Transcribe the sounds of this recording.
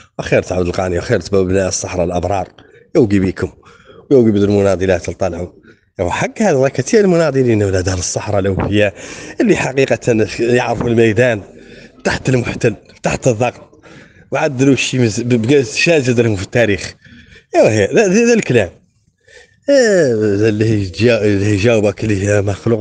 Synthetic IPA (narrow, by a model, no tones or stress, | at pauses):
wxiɾt̪ʕabd̪əlqɑniwxiɾt̪bæbnaʔəsˤːɑħɾˤɑlʔɑbɾˤɑɾˤ | jəwɡibikʊm | wjəwɡəbd̪əlmʊnɑd̪ˤilat̪əlt̪ˤːɑlʕʊ | wħaɡːhæd̪lˤɑkæt̪iəlmʊnɑd̪ˤilinwlæd̪aləsˤːɑħɾˤɑlʔwkəjːaʔəlːiħaqiqɑt̪njəʕɾəfulmæjd̪ænbt̪aħt̪əlmʊħt̪əlb̥t̪aħt̪əðˤːɑɡt̪ˤ | wʕad̪ːəluʃːimbɡ̪ʃæzəd̪əlhʊmfit̪ːæɾix | whæððælklæm | lːih̪ælhiʒæwbəklːihmaxluq